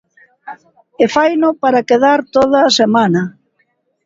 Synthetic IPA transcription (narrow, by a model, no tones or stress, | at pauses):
efajnʊpaɾakeð̞aɾt̪oð̞ɐːsemanɐ